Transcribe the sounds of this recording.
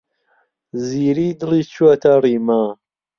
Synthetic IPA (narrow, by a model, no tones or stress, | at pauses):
ziːɾiːd̪ɨliːt͡ʃʰuat̪ʰariːma